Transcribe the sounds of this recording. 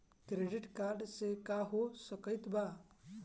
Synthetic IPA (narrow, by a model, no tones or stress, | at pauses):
kɾeɖɪʈkaːɾɖsekaɦosəkəjt̪ba